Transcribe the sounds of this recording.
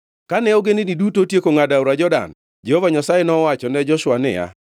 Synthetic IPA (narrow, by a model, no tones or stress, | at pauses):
kanɛoɡeninidutotjekoŋadaʊɾad͡ʒɔda̰n | d͡ʒɛhovaɲasajenɔwat͡ʃɔnɛd͡ʒɔʃwanɪ̰ja̰